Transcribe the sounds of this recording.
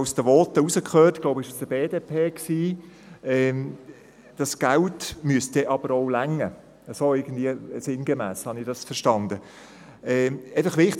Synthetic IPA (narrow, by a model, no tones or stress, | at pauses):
ʊsd̥əʋɔːt̪əusəkχøːtɡ̥loʊbɪʃsd̥əbeːdeːpʰeːksiː | ɛm | d̥ɑsɡ̥æltmyəst̚d̥eʔɑbəɾɔʊlæŋːə | əsoɪɡən̩d̥̪viəsɪnɡemæːshɑnɪχd̥ɑsfəɾʃtɑnd̪ə | ɛːɛɪfəχʋɪχt